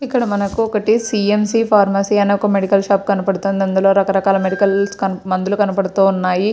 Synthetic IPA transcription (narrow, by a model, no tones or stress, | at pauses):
ikːɐɽɐmɐnɐkuɔkɐʈisiemsiːpʰaːɾmɐsiːɐneɔkɐmeɽikɐlʃaːp̚kɐnɐpɐɽut̪oːnd̪ɐnd̪ulo̞ːɾɐkɐɾɐkaːlɐmeɽikɐlskɐnmɐnd̪ulukɐnɐpɐɽut̪uːunːaːji